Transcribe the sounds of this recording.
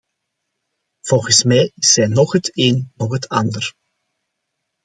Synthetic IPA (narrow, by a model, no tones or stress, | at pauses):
v̥ɔlˠɣənsmɛjɪsːɛjnɔχɦəteːnnɔχɦətʰɑndər